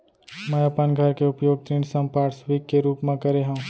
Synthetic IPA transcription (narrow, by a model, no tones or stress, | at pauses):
məɐpənɡʱəɾkeʊpjoːɡ̚t̪ɾiːnsə̃mpaːɽsʋiːkːeɾuːpmẽkəɾeɦũ